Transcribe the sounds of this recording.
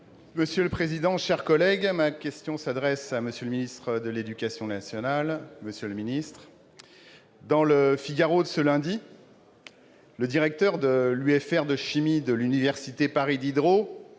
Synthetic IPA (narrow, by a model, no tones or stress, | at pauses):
məsjøləpχezid̪ɑ̃ʃɛʁkɔlɛɡmakʲɛst̪jɔ̃sad̪ʁɛsaməsjøləminist̪χəd̪əled̪ykʲasjɔ̃nasjɔnalməsjøləminist̪χ | d̪ɑ̃ləfiɡaʁod̪əsəlɛ̃d̪i | ləd̪iʁɛk̚t̪œʁd̪əlyɛfɛʁd̪əʃimid̪əlynivɛʁsit̪epaʁid̪id̪ʁo